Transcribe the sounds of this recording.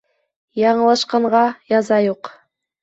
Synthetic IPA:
jɑɴɤ̆lˠɑʃqɑɴɢɑjɑzɑjuq

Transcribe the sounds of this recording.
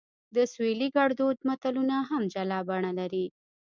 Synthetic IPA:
d̪əsweliɡaɽd̪od̪mat̪alunaɦamd͡ʒalɑbaɳalaɾi

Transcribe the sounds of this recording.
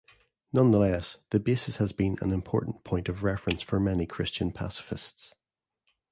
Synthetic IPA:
nʌ̃nðəlˠɛsðəbesɪshəzbĩnə̰̃nɪ̃mpʰɔɹʔn̩pʰɔ̃ɪ̃ntəvɹɛfɹə̃nsfə˞mɛnikʰɹ̥ɪst͡ʃə̃npʰa̰sɪ̥fɪ̰sts

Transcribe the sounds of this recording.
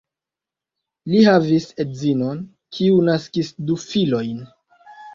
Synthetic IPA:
lihavisedzino̞n | kʰiunaskisdufilo̞jn

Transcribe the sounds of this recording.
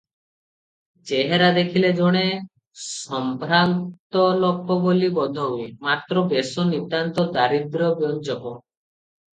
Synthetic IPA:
t͡ʃeɦeɾad̪ekʰiled͡ʒɔɽ̃e | sɔmpɾant̪ɔlɔkʰːɔbolibɔd̪ʱɔɦuimat̪ɾɔbesɔnit̪ant̪ɔd̪aɾid̪ɾɔbjɔnt͡ʃɔkɔ

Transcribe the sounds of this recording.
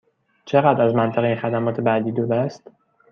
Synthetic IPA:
t͡ʃʰe̞ɣæd̪ɾæzmænt̪ʰeɣeinxæd̪æmɒːt̪ʰebæd̪iːd̪od̪æst̪

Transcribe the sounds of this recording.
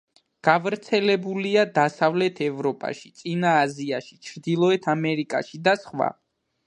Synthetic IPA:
ɡ̥avɾt̪sʰɛlɛbuliad̪asavlɛt̪ʰɛvɾɔpʼa̰ʃi̥t̪sʼinaːziaʃit͡ʃʰɾd̪ilˠɔɛt̪ʰamɛɾikʼa̰ʃid̪asχwa̰

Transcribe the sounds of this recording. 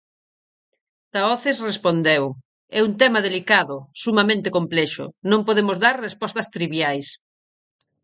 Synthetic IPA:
t̪aɔθesrespond̪ew | ɛunt̪ɛmaðelikaðʊsumamẽnt̪ekomplɛʃʊ̰nõmpoðemozðaɾrespɔst̪ɐst̪ɾiβjajs

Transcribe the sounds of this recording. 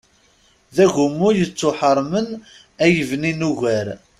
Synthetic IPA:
ðæʝʊmːʊjət͡sːʊħəɾˤmən | æjəvninuʝæɾ

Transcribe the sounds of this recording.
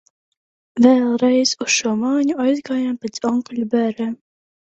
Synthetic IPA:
vɛːlˠɾɛjz̥usʃuɔmaːɲuajzɡaːjampʲɛt̪sɔŋkɔlʲubæːɾɛːm

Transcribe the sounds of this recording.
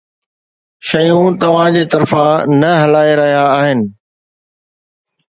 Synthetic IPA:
ʃɐjũt̪ɐʋ̤ãd͡ʑeːt̪ɐɾfãnɐɦɐlaːeɾɐɦijaːɦɪnɪ̆

